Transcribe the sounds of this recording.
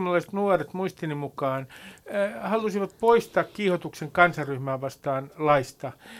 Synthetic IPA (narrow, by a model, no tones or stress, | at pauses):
mɑlːɑise̥t̪nuoret̪muist̪inimukɑːn | hɑlusiʋɑt̪̚poist̪ɑːkkiːhot̪ukseŋkɑnsɑrryhmæːʋɑst̪ɑːnlɑist̪ɑ